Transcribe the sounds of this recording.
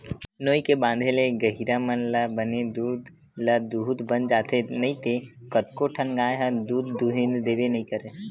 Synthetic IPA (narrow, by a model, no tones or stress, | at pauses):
noːikebãːnd̪ʱeleɡəɦiɾamənlabəned̪uːd̪ | ləd̪uːd̪bənd͡ʒaːt̪ʰenɐɦĩt̪ʰekət̪koʈʰənɡaːeɦə̃d̪uːd̪ːuɦɪ̃nd̪d̪eːbenɐɦĩkəɾe